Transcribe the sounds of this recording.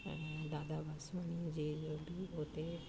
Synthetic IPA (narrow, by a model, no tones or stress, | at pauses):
d̪aːd̪aːbasʋanid͡ʒeːd͡ʒobʱiːot̪e